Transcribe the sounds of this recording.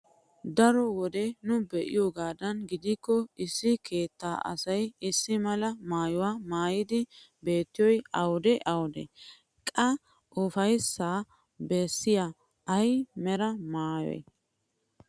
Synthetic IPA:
d̪ɐɾɔwɔd̪ɛnʊbɛʔɪ̰joɡaːd̪ɐnɡɪd̪ɪkːɔɪsːɪkʰe̞ːt̪ːaːʔɐ̰sɐjɪsːɪmɐlɐmaːjɔwaːmaːjɪd̪ɪ | be̞ːt̪ːɪjɔjɐwd̪ɛʔɐwd̪ɛ̰ | kʼɐ | ʊfɐjsːaː | bɛsːɪja | ʔɐjmɛɾɐmaːjɔ̰j

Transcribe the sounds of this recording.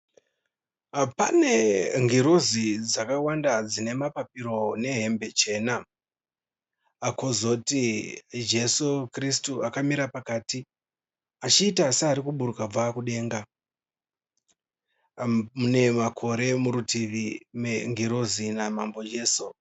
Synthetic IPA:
pane̞ŋɡiɾozid͡zakawandad͡zine̞mapapiɾo̞ne̞ɦe̞mbe̞t͡ʃe̞ːna | ko̞zo̞tid͡ʒe̞sukristuakamiɾapakaːti | at͡ʃiːtaːsaːɾikuɓuɾukab͡vakuɗe̞ːŋɡa | mune̞makʰo̞ɾe̞muɾutiʋimeŋɡiɾozinamambo̞d͡ʒe̞ːsu

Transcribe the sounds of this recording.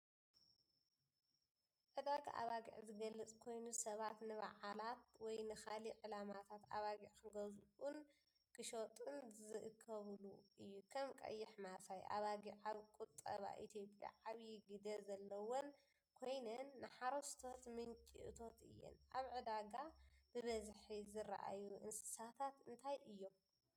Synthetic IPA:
ʕɨd̪aɡa̰ʔa̰βaɡḭʕzɨɡɐlːɐt͡sʼkʰo̞jnusɐβat̪nɨβa̰ʕalat̪wɔjnɨxaliʕɨlamat̪ʰat̪aβaɡiʕkɨɡɐzʔun | kʰɨʃot̪ʼunzɨʔɨkʰːɐβluʔɨjːukʰɐmkʼɐ̰jːɪħmafajʔa̰βaɡiʕaβkʼut̪ʼːɐ̰βa̰ʔit̪ʰjo̞pʼja̰ʕaβjiɡid̪ɐzɐlːɐwon | kʰo̞jnɐnːɨħaɾost̪ʰo̞t̪mɨnt͡ʃʼḭʔt̪ʰo̞t̪ʰɨ̰jːɛ̰nʔaβʕɨd̪aɡabɨβɐzħizɨɾa̰ʔa̰juʔɨnsɨ̥sat̪ʰat̪ɨnt̪ʰajʔɨjːom

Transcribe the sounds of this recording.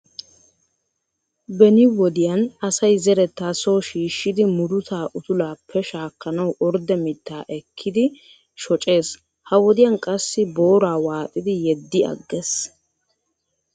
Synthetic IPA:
bɛnɪwɔd̪ɪjɐnɐsɐjzɛɾɛt̪ːaːsoːʃiːʃːɪd̪ɪmʊɾʊt̪ʰaːʔʊt̪ʊlaːpːɛʃaːkːɐnɐwʔɔɾd̪ɛmɪt̪ːaːʔɛkʰːɪd̪ɪ | ʃɔt͡ʃʼe̞ːs | hɐwɔd̪ɪjɐnkʼɐsːɪbo̞ːɾaːwaːt̪ʼɪd̪ɪjɛd̪ːɪɐ̰ɡːes

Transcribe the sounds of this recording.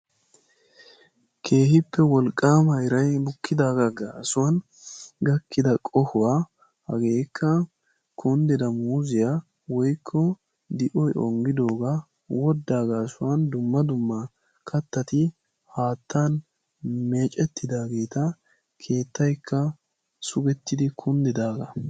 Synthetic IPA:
kʰe̞ːhɪpːɛwɔlkʼːaːmɐjɾɐjbʊkʰːɪd̪aːɡɐɡasʊwɐn | ɡɐkːɪd̪ɐkʼɔhʊwaː | hɐɡe̞ːkʰːɐ | kʰʊnd̪ɛd̪ɐmuːzɪja | wɔjkʰːɔ | d̪ɪʔɔjʔɔ̰ŋɡɪd̪o̞ːɡa | wɔd̪ːaːɡɐːsʊwɐnd̪ʊmːɐd̪ʊmːɐ | kʰɐt̪ːɐt̪ɪ | haːt̪ʰːan | me̞ːt͡ʃʼɛt̪ːɪd̪aːɡe̞ːt̪ɐ | kʰe̞ːt̪ːɐjkʰːɐ | sʊɡɛt̪ːɪd̪ɪkʰʊnd̪ɪd̪aːɡɐ

